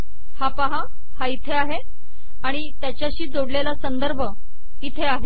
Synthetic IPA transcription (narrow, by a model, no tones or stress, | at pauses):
hapaɦa | hait̪ʰeaɦe | aɽ̃it̪jat͡ɕjaɕiːd͡zoɽlelasənd̪əɾbʱə | it̪ʰeaɦe